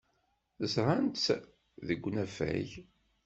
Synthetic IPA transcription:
θəzɾˤant̪ | ðəɡʷːnæfæ̰ʝ

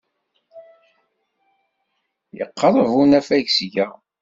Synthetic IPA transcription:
jə̰qːɑɾˤəvunæfæʝsʝæ

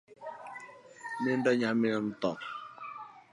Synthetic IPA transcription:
mɪn̩dɔɲamɪn̩t̪ɔ

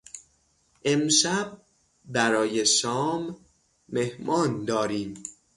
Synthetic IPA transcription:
ʔe̞mʃæb̚ | bæɾɒːjeʃɒːmː | e̞hmɒːnd̪ɒːɾiːm

